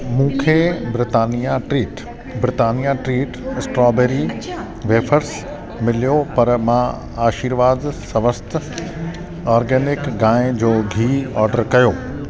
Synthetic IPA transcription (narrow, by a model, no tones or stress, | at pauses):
mũːkʰeːbɾɪt̪aːnijaʈɾiːʈ | bɾɪt̪aːnijaʈɾiːʈɪsʈɾɔːbeːɾi | ʋeːpʰəɾs | mɪlijopɐɾmã | aːʃiːɾʋaːd̪sɐʋəst̪ | ɔːɾɡɛːnɪkɡãːẽd͡ʑoːɡʱiːɔːɾɖəɾkɐjoː